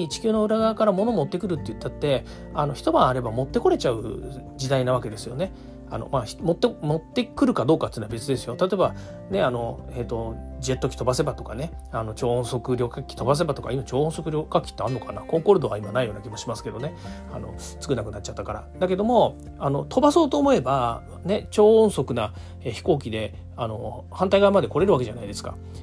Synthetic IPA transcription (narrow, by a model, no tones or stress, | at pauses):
t͡ɕi̥kʲɨːno̞ɯ̟ɾaɡaːkaɾamo̞no̞mo̞t̪ːekɯ̟ɾɯ̟t̪ːejɯ̟t̪ːat̪ːe̞ | ano̞çi̥t̪o̞bãɰ̃aɾe̞bamo̞t̪ːe̞ko̞ɾe̞t͡ɕaɯ̟d͡ʑid̪ainaβ̞aked̪e̞sɨjo̞ne̞ | a̰no̞̰maçi̥mo̞t̪ːemo̞t̪ːe̞kɯ̟ɾɯ̟kad̪o̞ːkat̪ːenabe̞t͡sɨd̪e̞sɨjo̞t̪at̪o̞eba | ne̞ano̞e̞t̪ːo̞d͡ʑiet̪ːo̞kʲi̥t̪o̞base̞bat̪o̞kane̞ano̞t͡ɕõ̞ːɰ̃so̞kɯ̟ɾʲo̞kakʲi̥t̪o̞bas̬e̞bat̪o̞ka̰imat͡ɕo̞ːõso̞kɯ̟ɾʲo̞kakʲːi̥t̪ːeanːokanakõ̞ŋkoɾɯ̟d̪o̞βaimanaijo̞ːnakʲimo̞ɕimasɨ̥ke̞d̪o̞ne̞ | a̰no̞̰ | t͡sɨ̥kɯ̟nakɯ̟nat͡ɕːat̪ːakaɾa̰d̪ake̞d̪o̞mo̞ | ano̞t̪ʰo̞baso̞ːt̪o̞ːmo̞e̞ba | ne̞t͡ɕo̞ːõɰ̃so̞kɯ̟na | eçi̥ko̞ːkʲid̪e̞ | ano̞̰ | hãnt̪aiɡaimad̪e̞ko̞ɾe̞ɾɯβak̬e̞ʑanaid̪e̞sɨ̥ka̰